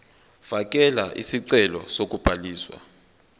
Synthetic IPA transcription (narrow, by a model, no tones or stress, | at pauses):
fak̬ʼɛlaʔisiǀɛlɔ̰sok̬ʼub̥ʱaliːswa̰